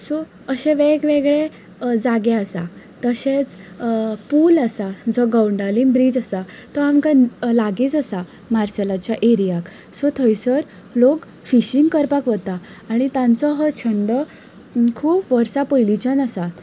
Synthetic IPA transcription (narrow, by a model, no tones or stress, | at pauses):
sɔ | əɕẽʋeɡʋeɡɭe | d͡zaɡeasa | t̪əɕet͡s | pulasad͡zɔɡəwɳɖalinbɾid͡ʑasat̪ɔamkalaɡit͡səsa | maɾselat͡ɕjaʔeɾijak | sɔt̪ʰəjsəɾ | lok | fiɕiŋɡkəɾpakʋət̪aː | ɽ̃it̪ãnt͡sɔɦɔt͡ɕʰənd̪ɔ | kʰuːpʋəɾsapəjlit͡ɕanasa